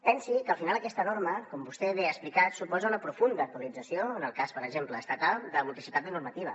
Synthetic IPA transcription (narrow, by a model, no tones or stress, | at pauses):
pɛnsikəlˠfinalˠəkɛst̪ənoɾməkɔmbust̪ɛβeəsplikat̪supɔzəunəpɾufund̪əːk̚t̪uəlid͡zəsioənəlˠkaspəɾəɡʒempləːst̪ət̪alˠd̪əmult̪isit̪at̪ənuɾmət̪iβ̞ə̰